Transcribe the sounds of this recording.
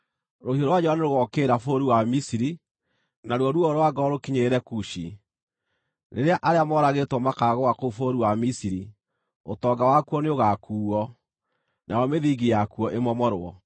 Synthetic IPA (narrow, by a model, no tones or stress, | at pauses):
ɾohioɾowad͡ʒɛwaneɾoɣɔkeːɾafoɾiwamisiɾi | naɾwɔɾwɔɾowaɡɔɾokiɲeɾɛkuʃi | nḛɾeaʔaɾeamɔɾaɣetwɔmakaɣɔwakoufoɾiwamisiɾi | otɔɡawakuɔneoɣakuːɔ | nʔajɔmeðiɡijakuɔʔemɔmɔɾwɔ̰